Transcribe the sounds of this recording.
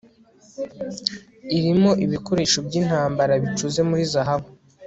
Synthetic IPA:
iɾimo̞ʔiβiko̞ɾe̞ːʃobjiːn̥haːmbaɾaβit͡ʃuze̞muɾizaɦaβu

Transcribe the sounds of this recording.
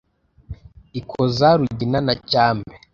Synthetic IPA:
ikʰozaɾuɟinanacaːmbe

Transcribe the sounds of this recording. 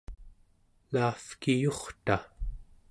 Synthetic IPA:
laːfkijoχt̪a

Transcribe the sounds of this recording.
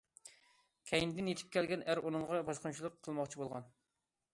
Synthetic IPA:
kʲʰɛjind̪ɪnjet̪ʰɪ̥p̚kʲʰɛlɡʲɛnæɾʔunɨŋʁɑbɑʃqʊnt͡ʃʰilˠəqʰːəlˠmɑχt͡ʃʰibolˠʁɑn

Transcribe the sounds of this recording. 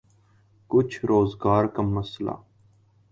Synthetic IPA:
kʊt͡ʃʰɾoːzɡaːɾkəmːəsla̰ː

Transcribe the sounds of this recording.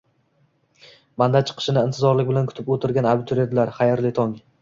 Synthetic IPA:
mand̪at͡ʃʰɨ̥qʰɨ̥ʃɪnɪɪnt̪ʰɪzɒɾlɪk̚ʲbɪlankʰʊ̥t̪ʰɪpot̪ʰɪɾɡʲanabɪt̪ʰuɾjad̪ɪlaɾχajaɾlɪt̪ʰɒŋ

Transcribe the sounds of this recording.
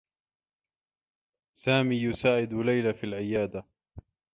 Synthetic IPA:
saːmiːjʊsaːʕɪd̪lajlafilʕɪjaːd̪a

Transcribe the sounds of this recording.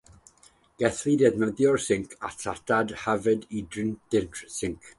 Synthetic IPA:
ɡ̥ɛθlidɛdməðjɔrsɪŋkʰa̰tʰatʰadhavɨdidrɪnd̥ɪntʰrsɪŋkʰ

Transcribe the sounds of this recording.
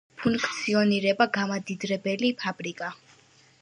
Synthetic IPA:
pʰuŋkkʰt̪sʰiɔniɾɛbaɡamad̪id̪ɾɛbɛlipʰabɾikʼa

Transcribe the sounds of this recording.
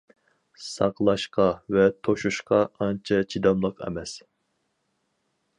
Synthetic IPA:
sɑqlˠɑʃqɑvɛt̪ʰoʃuʃqɑɑnt͡ʃʰɑt͡ʃʰid̪ɑmlˠəqɛ̰mɛs

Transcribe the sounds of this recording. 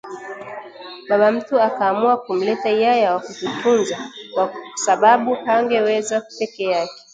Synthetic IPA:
ɓaɓam̩tuakaːmuakum̩lɛtaijajawakutifunzakwasaɓaɓuhaŋɡɛwɛzaku̥pɛkɛakɛ̥

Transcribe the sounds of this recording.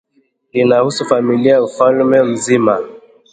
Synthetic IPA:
inahusufamiliaufalmɛm̩zima

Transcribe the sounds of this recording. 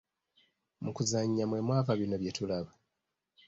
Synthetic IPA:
mukuzaɲːamwe̞mwaːvaβinoβje̞tulaβa

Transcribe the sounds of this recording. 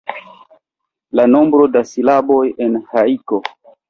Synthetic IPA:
lano̞mbɾo̞dasilabo̞jenhaiko

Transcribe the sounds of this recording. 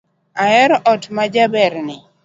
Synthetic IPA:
aɛɾɔʔɔtmad͡ʒabɛɾnɪ

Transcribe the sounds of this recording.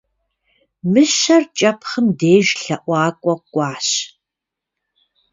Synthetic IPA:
mɨʃɐrt͡ʃʼɐpʰχəmdeːʒɬɐʔʷɑːkʷʼɔkʷʼɑːɕ

